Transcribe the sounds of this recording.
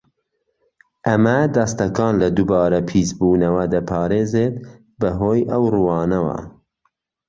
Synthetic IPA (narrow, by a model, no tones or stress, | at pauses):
ʔɐmɐd̪ɐst̪ɐkɑːnlɐd̪ubɑːɾɐpʰiːzbuːnɐwɐd̪ɐpʰɑːɾeːzeːt̪ | bɐɦoːjʔɐwruwɑːnɐwɐ̰